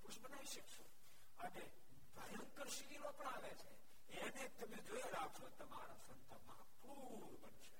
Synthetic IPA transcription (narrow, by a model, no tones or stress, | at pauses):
puʃbənaʋiʃəkʃo | əne | d̪ʱəjəŋkəɾʃiɾiɾopəɳaʋet͡ʃʰe | enet̪əmed͡ʒojeɾakʃot̪əmaɾasənt̪ʰəmãpu | ɾbənʃe̥